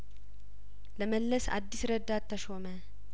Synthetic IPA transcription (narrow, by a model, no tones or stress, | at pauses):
ləməlːəsa̰d̪ːisɾəd̪ːat̪ʰːəʃomə